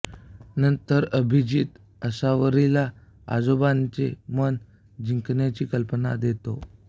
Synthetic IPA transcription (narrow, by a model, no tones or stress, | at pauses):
nənt̪əɾəbʱid͡ʑit̪ | əsaʋəɾila | a̰d͡zobant͡semən | d͡ʑiŋknjat͡ɕiːkəlpəna̰d̪et̪o